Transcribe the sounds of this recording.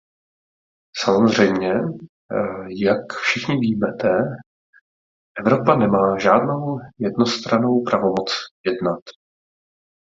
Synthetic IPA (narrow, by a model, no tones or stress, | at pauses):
samo̞zr̝ɛjmɲɛ | jakfʃɪxɲɪviːmɛt̪ɛ | ʔɛvɾo̞panɛmaːʒaːdno̞wjɛdno̞st̪ɾano̞wpɾavo̞mo̞t͡sjɛdnat̪